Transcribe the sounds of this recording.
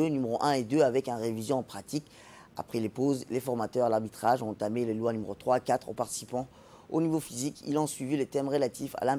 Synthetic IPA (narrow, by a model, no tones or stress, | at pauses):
ønymeʁoʔɛ̃ed̪øavɛkɛ̃nʁevizjɔ̃ɑ̃pχat̪ik | a̰pχɛlepozlefɔʁmat̪œʁalaʁbit̪χaʒɔ̃ɑ̃t̪amelelwanymeʁot̪χwakat̪χo̰paʁt̪i̥sipɑ̃ | o̰nivofizikḭlɔ̃sɥivilet̪ɛmʁəlat̪ifa̰lɛ̃